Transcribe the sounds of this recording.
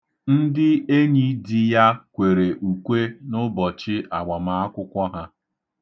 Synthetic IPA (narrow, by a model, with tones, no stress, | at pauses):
n̩˦dɪ˦e˦ɲi˦di˦ja˦kʷe˨ɾe˨ʔu˨kʷe˦nʊ˦bɔ˨t͡ʃɪ˦ʔa˨ɡ͡ba˨ma˨a˦kʷʊ˦kʷɔ˦ɦa˦